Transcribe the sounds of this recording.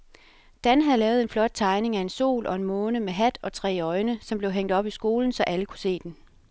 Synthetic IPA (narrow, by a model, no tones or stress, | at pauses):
d̥ænɦæðˠlɛːʊð̞̩ˠe̝nflɒ̽d̥̚t͡sʰɑ̈ɪne̝ŋæe̝nso̝̰ːlʔɒ̽e̝nmɔ̽ːnəmeɦæd̥ɒ̽t͡sʰʁɛ̰ːɒ̽ɪnəsɒ̽mb̥le̝ʊɦeŋ̰d̥ɒ̽b̥isɡ̥o̝ːln̩sɒ̽ʔæləkʰu̥se̝̰ːd̥en